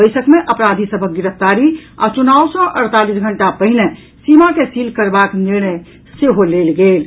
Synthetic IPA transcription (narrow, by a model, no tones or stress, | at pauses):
əjsəkmeʔəpɾad̪ʱisəbʱək̚ɡiɾəp̚ʰt̪aɾia̰t͡ʃunawsɔʔəɾt̪alisɡʱəɳʈapəɦine | simakesilkəɾbakniɾɽ̃ə | seɦolelɡel